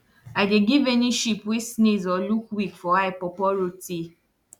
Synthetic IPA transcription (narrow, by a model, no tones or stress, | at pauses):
adeɡiveniʃipwisnezɔlukwikfɔaɪpɔpɔɾoti